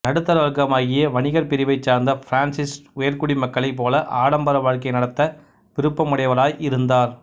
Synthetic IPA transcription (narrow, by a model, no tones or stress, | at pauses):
nɐɽɯt̪ːɐɾɐʋɐɾkːɐmaːɣɪjɐʋɐɳɪɣɐɾpɪɾɪʋɐɪt͡ʃːaːɾnd̪ɐfɾaːnsɪsʊjɐɾkʊɽimɐkːɐɭɐɪp̬ːoːlɐʔaːɽɐmbɐɾɐʋaːɻkɐɪnɐɽɐt̪ːɐ | ʋɪɾɯpːɐmʊɽɐjʋɐɾaːjɪɾɯnd̪aːɾ